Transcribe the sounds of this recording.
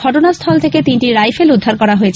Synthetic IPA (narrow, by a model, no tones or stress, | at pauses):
ɔʈonast̪ʰɔlt̪ʰeket̪inʈiɾajpʰelud̪ʱːaɾkɔɾaɦoet͡ɕʰ